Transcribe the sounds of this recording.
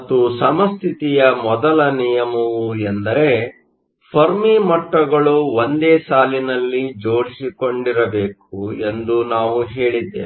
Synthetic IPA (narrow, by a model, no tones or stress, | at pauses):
t̪usɐmɐst̪ʰit̪ijɐmɔd̪ɐlɐnijɐmɐʋuend̪ɐɾe̞ | pʰɐɾmiːmɐʈːɐɡɐɭuʋond̪eːsaːlinɐlːid͡ʒo̞ːɾisiko̞ɳɖiɾɐbeːk̚ue̞nd̪unaːʋuɦe̞ːɭid̪ːḛː